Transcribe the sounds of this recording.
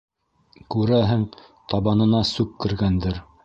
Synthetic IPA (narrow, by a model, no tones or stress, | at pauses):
kʉɾæɦɘŋ | t̪ɑβɑnɤ̆nɑsʉkːɘ̆ɾɡænd̪ɘɾ